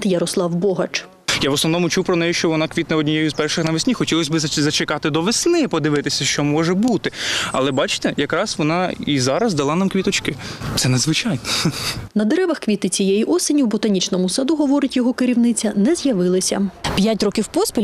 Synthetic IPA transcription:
t̪jɐɾɔslˠɑwbɔɦɐt͡ʃ | jaʋɔsnɔʋnɔmʊt͡ʃuwpɾɔnɛjʊʃt͡ʃɔʋɔnɑkʋʲit̪nɐɔdʲnʲijɛjʊzpɛrʃɪxnɐʋɪsʲnʲixɔtʲilˠɔsʲbɪzzɐt͡ʃɪkɑt̪ɪd̪ɔʋesʲnɪpɔd̪ɪʋɪt̪ɪsʲɐʃt͡ʃɔmɔʒɛbut̪ɪɐ̰lˠɛbɑt͡ʃɪ̥t̪ɛjɐkɾɑsʋɔnɑizɑɾɐzd̪ɐlˠɑnɑmkʋʲit̪ɔt͡ʃkɪt̪sɛnɐd̪zʋɪt͡ʃɑjnɔnɐd̪eɾɛʋɐxkʋʲit̪ɪt͡sʲijɛjiʔɔsenʲiwbɔt̪ɐnʲit͡ʃnɔmʊsɐd̪uɦɔʋɔɾɪtʲjɔɦɔkɪɾʲiwnɪt͡sʲɐnɛzʲjɐʋɪlˠɪsʲɐ̰pʲjatʲɾɔkʲiwpɔspʲi

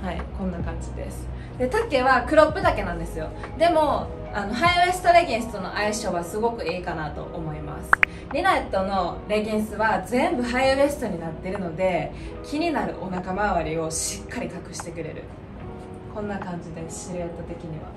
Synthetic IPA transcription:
haikõ̞nːakãɲ̟d͡ʑid̪e̞̰sɨ̥ | d̪e̞t̪ake̞βakɯ̟ɾo̞pːɯ̟d̪ake̞nãnd̪esɨjo̞ | d̪e̞mo̞ | ano̞ɦaiɯe̞sɨ̥t̪o̞ɾe̞ɡʲĩɰ̃sɨ̥t̪o̞no̞̰ʔaiɕo̞βasɨɡo̞kɯ̟iːkanat̪o̞̰ʔomo̞ima̰sɨ̥ | ɾʲinat̪ːo̞no̞ɾe̞ɡʲĩɰ̃sɨβazẽ̞mbɯ̟ɦaiɯesɨ̥t̪o̞ɲ̟inat̪ːeɾɯ̟no̞d̪e̞kʲiɲ̟inaɾɯ̟̰ʔo̞nakamaβaɾʲio̞ɕikʰːaɾʲikakɯ̟̥ɕi̥t̪e̞kɯ̟ɾe̞̰ɾɯ̟̰ | kʰõ̞nːakãɲ̟d͡ʑid̪e̞sɕiɾoet̪ːot̪e̞kʲiɲ̟iβa̰

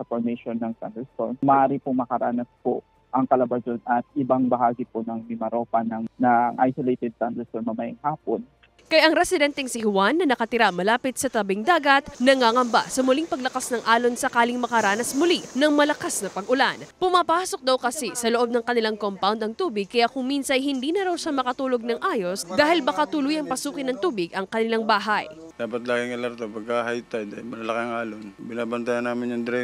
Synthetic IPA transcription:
sɐfoɹmɛʃonːɐŋt̪a̰nd̪ɛst̪onmɐʔaːɾɪpomɐkɐɾaːnɐspo̰ | ʔɐŋkɐlɐbɐsonɐt̪̚ʔɪbaŋbɐhaːɡɪponɐŋmɪmɐɾoːpɐnɐŋnɐŋʔa̰jsolejt̪ɛd̪̚tand̪ɛst̪onmɐmɐjŋhaːpon | kɐjʔɐŋɾɛsɪd̪ɛnt̪ɛŋsɪhʊwanːɐnɐkɐt̪ɪɾamɐlaːpɪt̪̚sɐt̪ɐbɪŋd̪aːɡɐt̪̚nɐŋaːŋɐmbasɐmʊliŋpɐɡlɐkasnɐŋʔaːlo̞nsɐkaːlɪŋmɐkɐɾaːnɐsmʊlinɐŋmɐlɐkasnɐpɐɡʔʊlanpʊmaːpaːso̞k̚d̪ɐwkɐsisɐloʔo̞b̚nɐŋkɐnɪlaŋkompawnd̪ɐŋt̪uːbɪɡ̚kːɐjakʊŋminsɐnhɪnd̪iːnɐɾawʃɐmɐkɐt̪uːlo̞ɡ̚nɐŋʔaːjo̞sd̪aːhɪlbɐkat̪ulʊjɐŋpɐsuːkɪnɐŋt̪uːbɪɡʔɐŋkɐnɪlaŋbaːɦaj | d̪aːpɐt̪̚laːɡɪŋɐlɐɾt̪opɐɡ̚ahajt̪ad̪ajmɐlɐlɐkaŋʔaːlonbɪnaːbɐnt̪ajɐnːaːmɪnjɐŋd̪ɾɛ

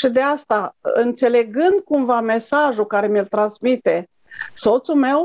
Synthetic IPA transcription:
ʃid̪east̪aɨnt̪se̞le̞ɡɨnd̪̚kumvame̞saʒukaɾe̞milt̪ɾansmit̪e̞ | so̞t̪sume̞w

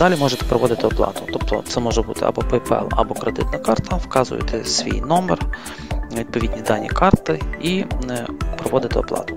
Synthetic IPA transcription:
d̪̥ɑlʲimɔʒɛt̪ɛ̥pɾɔʋɔd̪ɪt̪ɪɔplˠɑ̰t̪ʊt̪ɔp̚t̪ɔ̰t̪sɛmɔʒɛbut̪ɪ̰ʔɐ̰bɔpɛpɛ̰lˠɐ̰bɔkɾed̪ɪ̰t̪nɐkɑrt̪ɐwkɑzʊ̰jɛ̰t̪ʰɛsʲʋʲḭjnɔmɛr | ʋʲid̪̚pɔʋʲid̪ʲnʲid̪ɑnʲːḭkɑrt̪ɪi | pɾɔʋɔd̪ɪt̪ɪɔplˠɑ̰t̪ʊ̥

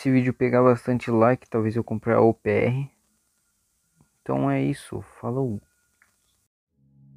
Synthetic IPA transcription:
esɪvid͡ʒʊpeɡabast̪ɐ̃nt͡ʃɪlajkɪ̥t̪awvezewkõmpɾaɾɐ̰opeɛ̰ɦɪ | ẽt̪ɐ̰̃w̃ɛisʊ̰falow

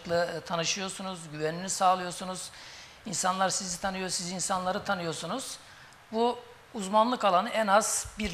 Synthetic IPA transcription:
klˠɯt̪ʰanɯʃɯjo̞ɾsunuzɟyvɛninʲisaːlˠɯjo̞ɾsunuz̥ | insanlˠaɾsizit̪ʰanɯjosizinsanlˠaɾɯt̪ʰanɯjo̞ɾsunuz̥ | buː | zmanlˠɯkalˠanɯʔɛnaz̥biɾ

